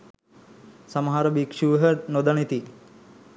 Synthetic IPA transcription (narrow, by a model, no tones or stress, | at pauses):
samɐɦaɾəbikʂuʋɦənod̪anit̪i